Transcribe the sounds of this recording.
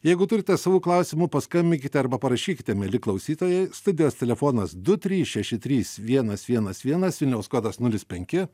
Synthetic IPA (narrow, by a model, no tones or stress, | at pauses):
jɛɪɡʊt̪ʊɾʲɪt̪ʲɛsɑːʋuːklˠɐʊsʲɪmʊpɐskɐmʲbʲɪŋʲkʲɪt̪ʲɛɐɾbɐpɐɾɐʃʲiːkʲɪt̪ʲɛmʲɛlʲɪklˠɐʊsʲiːt̪oːjɛɪst̪ʊd̪ʲɪjoːst̪ʲɛlʲɛfoːnɐsd̪ʊt̪ʲɾʲiːsʃʲɛʃʲɪt̪ʲɾʲiːsʋʲiɛnɐsʋʲiɛnɐsʋʲiɛnɐsʋʲɪlʲnʲɛʊskoːd̪ɐsnʊlʲɪspʲɛŋʲkʲɪ